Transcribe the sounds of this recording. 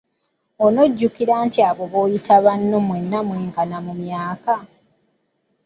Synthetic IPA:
ono̞ɟːukiɾaːntiaβo̞βo̞ːjitaβanːo̞mwe̞nːamweːŋkanamumjaːka

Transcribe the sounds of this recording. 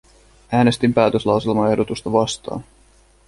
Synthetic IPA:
æːne̞st̪impæːt̪øslɑwselmɑe̞hdot̪ust̪ɑʋɑst̪ɑ̰ːn

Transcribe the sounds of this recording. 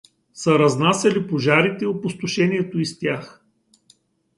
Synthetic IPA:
sɐɾɐznasɛlipoʒaɾit̪ɛopost̪ʊʃɛniɛt̪oist̪ʲjax

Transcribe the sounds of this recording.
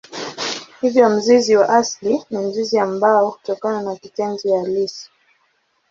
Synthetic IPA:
hivjɔm̩ziziwaʔaslinim̩ziziambaɔku̥tɔkananakitɛnd͡ʒijalisi̥

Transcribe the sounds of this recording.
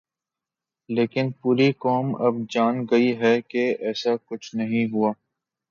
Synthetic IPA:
leːkɪnpuːɾikɔːmɐb̚d͡ʒaːnɡɐiɦɛkeɛːsakʊt͡ʃʰnɐɦĩɦuaː

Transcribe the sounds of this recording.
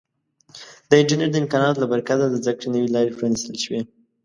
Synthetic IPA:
d̪əɪɳd͡ʒəneɾd̪əɪmkɑnɑt̪labaɾkad̪ad̪əzakɽenəwilɑɾepɾɑnist̪əlʃwi

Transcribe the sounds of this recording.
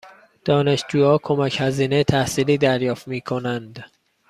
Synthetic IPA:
d̪̥ɒːne̞ʃd͡ʒuːjɒːkʰo̞mæchæziːnejt̪ʰæhsiːliːd̪æɾjɒːft̪miːkʰonænd̪

